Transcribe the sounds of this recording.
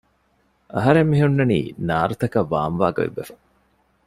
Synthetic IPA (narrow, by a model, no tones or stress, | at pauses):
ɐɦɐɾemːiɦunːɐnḭːnaːɾut̪ɐkɐʋːaːmʋaːɡɐ̰ḭbḛfɐ̥